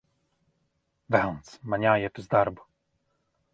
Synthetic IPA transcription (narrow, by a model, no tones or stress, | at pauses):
vawnt̪smaɲʲajɛt̪uzd̪aɾbu